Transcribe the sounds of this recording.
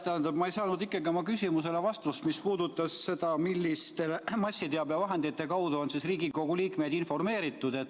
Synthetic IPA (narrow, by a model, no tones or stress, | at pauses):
t̪æhænd̪ɑbmɑejsɑːnud̪ikːˑeɡiomɑkysʲimuse̞le̞vɑst̪ust̪mispuːd̪̥ut̪ːˑɑsːe̞d̪̥ɑmilːist̪e̞lemɑsʲːit̪eɑbjɑvɑɦe̞nd̪it̪ːe̞kɑwd̪uo̞nsisriːɡiko̞ɡ̥uliːkme̞jd̪info̞rme̞ːɾit̪ːˑud̪̥e̞t̪ː